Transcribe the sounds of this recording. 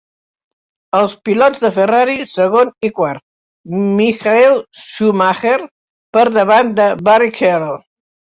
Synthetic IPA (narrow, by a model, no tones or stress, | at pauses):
əlˠspilɔzðəfəraɾisəɣonikwaɾt̪̚ | mixaɛlˠʃumaxeɾ | pəɾðəβand̪əβarikʰɛɾlˠ